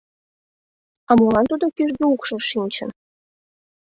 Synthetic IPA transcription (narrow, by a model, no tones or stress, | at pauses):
ɑmolɑnt̪ud̪okyʒd̪eukʃɤ̆ʃinʲt͡ɕə̆n